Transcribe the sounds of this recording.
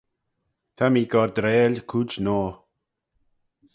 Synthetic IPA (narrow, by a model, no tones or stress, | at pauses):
t̪ʰamiːɡɔɾd̪ɾeːlkʰud͡ʒnɔː